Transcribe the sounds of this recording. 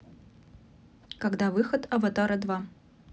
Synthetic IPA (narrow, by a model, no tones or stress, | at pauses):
kaɡd̪avɨxət̪ʰɐvɐt̪aɾɐd̪va